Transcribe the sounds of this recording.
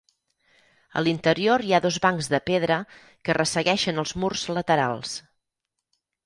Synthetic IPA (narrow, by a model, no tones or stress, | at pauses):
ə̰lint̪əɾioɾjaðozβaŋzðəpeð̞ɾə | kərəsəɣɛʃənəlˠzmurz̥lət̪əɾa̰lˠs